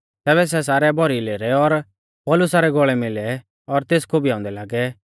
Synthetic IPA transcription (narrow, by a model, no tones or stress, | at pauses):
t̪ɛːβɛs̬ɛs̬aːɾɛbʱɔɾileːɾɛɔɾ | pɔːlʊsaɾɛɡɔɭɛmɪlɛ | ɔɾt̪eːskʰobʱiãːʊ̃nd̪ɛlaːɡɛ